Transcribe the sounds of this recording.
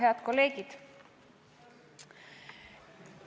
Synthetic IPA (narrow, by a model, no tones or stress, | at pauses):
eɑt̪ko̞lːe̞ːɡid̪̥